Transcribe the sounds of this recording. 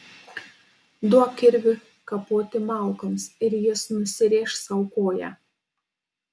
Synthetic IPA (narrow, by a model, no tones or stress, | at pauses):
d̪uɔkʲɪɾʲʋʲɪ | kɐpoːt̪ʲɪmɑˑlˠˑkɐmsɪɾjɪsnʊsʲɪɾʲeːʃsɐʊkoːjɛː